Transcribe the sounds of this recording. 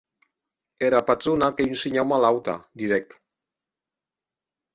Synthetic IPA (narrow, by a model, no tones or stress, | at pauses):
eɾapat̪ɾunakeynsiɲawmalawt̪a̰d̪iɾɛk